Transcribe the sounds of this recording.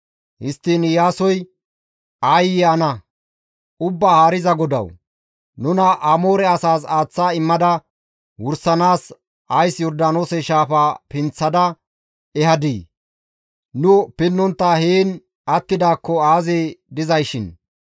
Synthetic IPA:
hɪst̪ːinjaːsɔj | ɐjːɛɐnɐ | ʊbːaːhaːɾɪzɐɡɔd̪ɐ̰w | nʊnɐʔɐmoːɾɛɐsaːsaːt͡sːaːɪmːɐd̪ɐ | wʊɾsɐnaːs | ɐjsjɔɾd̪aːnoːsɛʃaːfapɪnt͡sːɐd̪ɐ | ɛhɐd̪iː | nʊpɪnːɔnt̪ːaheːn | ʔɐt̪ːɪd̪aːkːɔaːzeːd̪ɪzɐjʃɪn

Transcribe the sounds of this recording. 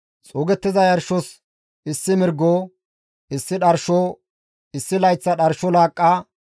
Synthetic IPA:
t͡sʼoːɡɛt̪ːɪzɐjɐɾʃɔs | ɪsːɪmɪɾɡoː | ɪsːɪɗɐɾʃoː | ɪsːɪlɐjt͡sːɐɗɐɾʃɔlaːkʼːaː

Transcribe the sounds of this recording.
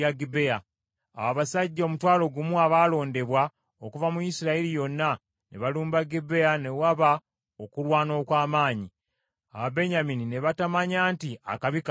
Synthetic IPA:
aɡibea | a̰waβasaɟːaomutwaːlo̞ɡumuaβaːlo̞ːnde̞βwa | okuvamujisiɾaeɾijo̞nːa | nḛβaluːmbaɡibe̞ane̞waβa | okulwaːno̞ːkwaːmaːɲi | a̰βabe̞ɲaminine̞βatamaɲaːntia̰kaβik

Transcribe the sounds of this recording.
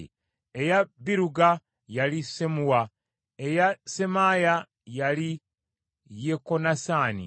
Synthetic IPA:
ejabiɾuɡa | jalisemuwa | e̞jase̞maːja | jali | jekonasaːnḭ

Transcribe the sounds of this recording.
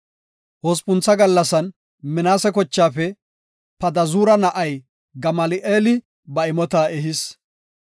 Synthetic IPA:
hɔspʊnt͡sːɐɡɐlːɐsɐn | mɪnaːsɛkɔt͡ʃːaːfɛ | pɐd̪ɐzuːɾɐnɐʔɐj | ɡɐmɐlɪʔeːlɪ | bɐɪmɔt̪aːɛɦɪs

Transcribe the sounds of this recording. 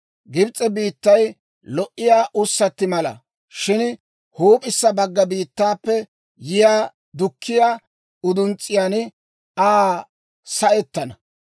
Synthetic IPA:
ɡɪbt͡sʼːɛbiːt̪ːɐj | lɔʔːɪjaːʔʊsːɐt̪ːɪmɐlɐ̰ | ʃɪn | huːpʼɪsːɐbɐɡːɐbiːt̪ːaːpːɛ | jɪjaː | d̪ʊkʰːɪjaː | ʊd̪ʊnt͡sʼːɪjaːn | aː | sɐʔɛt̪ːɐnɐ

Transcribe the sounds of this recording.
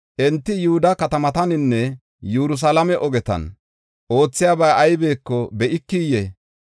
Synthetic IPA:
ʔɛnt̪ːɪjʊhʊd̪ɐkɐt̪ɐmɐt̪ɐnɪnːɛ | jɛɾʊs̬ɐlɐmɛʔɔɡɛt̪ɐ̰n | ʔo̞ːt͡sːɪjaːbɐjʔɐjbe̞ːkːɔbɛʔɪkːiːjɛ

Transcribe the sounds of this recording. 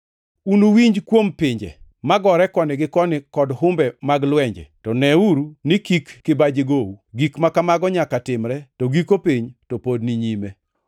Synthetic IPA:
unowiɲd͡ʒkwompɪɲd͡ʒɛ̰ | maɡɔɾɛkɔnɪɡɪkɔnɪkɔdɦʊmbɛmaɡlwɛɲd͡ʒɛ̰tɔnɛuɾunɪkikːɪbad͡ʒeɡowuɡikmakamaɡɔɲakatɪmɾɛtoɡikopiɲtopodniɲime

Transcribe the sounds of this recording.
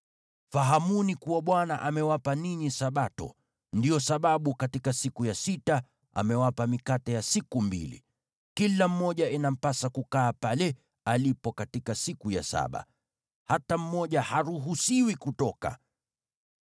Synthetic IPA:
faɦamunikuwaɓwana̰ʔamɛwapaniɲisaɓatɔ̰ | ndijɔsaɓaɓukatikasikujasita | a̰mɛwapamikatɛjasikumbḭlḭ | kilam̩mɔʄainam̩pasakukaːpalɛ | alipɔkatikasikuja̰sa̰ɓa̰ | hatam̩mɔʄahaɾuɦusiwikutɔka̰

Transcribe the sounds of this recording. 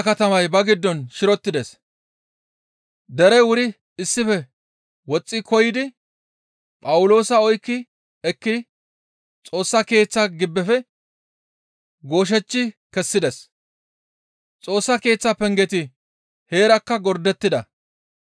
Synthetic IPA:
kɐt̪ɐmɐjbɐɡɪd̪ːɔnʃɪɾɔt̪ːɪd̪ɛs | d̪ɛɾɛwʊɾɪ | ɪsːɪfɛ | wɔt͡sʼːɪkʰɔjɪd̪ɪ | pʼɐwʊlo̞ːsɐɔjkːɪ | ɛkːɪ | t͡sʼo̞ːsːɐke̞ːt͡sːɐɡɪbːɛfɛ | ɡo̞ːʃ̬ɛt͡ʃːɪkɛsːɪd̪ɛs | t͡sʼo̞ːsːɐke̞ːt͡sːɐpɛŋɡɛt̪ɪ | he̞ːɾɐkːɐɡɔɾd̪ɛt̪ːɪd̪ɐ

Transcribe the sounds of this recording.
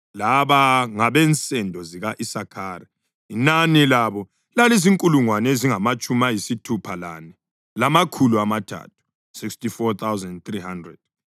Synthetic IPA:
laβaŋaβɛnt͡sʼɛndʱɔziɣaʔisakʰaːɾi | inanilaβɔ | laleziŋkʼuluŋwaneziŋamat͡ʃʼumajisitʰupʰala̰nɛ | lamakʰuluamatʰa̰ːtʰu̥ | sikstifɔt̪ʰawzɛndt̪rihandrɛ̰d̥̚

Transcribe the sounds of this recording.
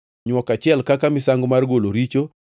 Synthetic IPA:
ɲwɔkat͡ʃɪɛlkakamɪsaŋɡomarɡoloɾit͡ʃo

